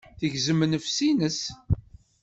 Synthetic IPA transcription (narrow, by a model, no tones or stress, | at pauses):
θəʝzəmnəfsinəs